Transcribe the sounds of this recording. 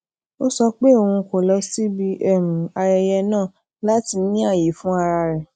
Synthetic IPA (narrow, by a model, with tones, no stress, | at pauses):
o˦sɔ˧k͡pe˦o˧hũ˧ko˨lɔ˧˦si˦bi˧˦ʔɛ˦˨m̩̃˨a˨ɾɛ˧jɛ˧nãː˦˨ | la˦ti˧˦nĩ˦a˦˨je˨˦fũ˦a˧ɾa˧ɾɛ˨